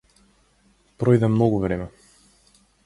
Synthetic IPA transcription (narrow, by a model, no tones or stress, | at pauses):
pɾɔjd̪ɛmnɔɡuvɾɛmɛ